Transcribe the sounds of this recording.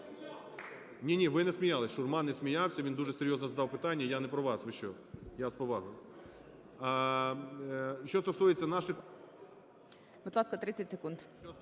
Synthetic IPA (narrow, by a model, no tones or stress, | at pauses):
nʲinʲiʋɪnɛsʲmʲijalˠɪsʲʃʊrmɑnɛsʲmʲijɑwsʲɐʋʲind̪uʒɛseɾʲjɔznɔzɐd̪ɑwpɪt̪ɑnʲːɐjanɛpɾɔʋɑsʋɪʃt͡ʃɔ | jaspɔʋɑɦʊjʊ | ʃɔst̪ɔsujet͡sʲːɐnɑʃɪ | bud̪lˠɑskɐt̪ɾɪt͡sʲɐtʲsekunt̪ | ɔ